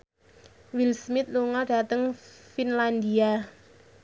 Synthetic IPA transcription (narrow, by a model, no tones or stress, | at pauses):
wilsmɪt̪̚luŋɔɖ̥a̤t̪əŋfinland̪ia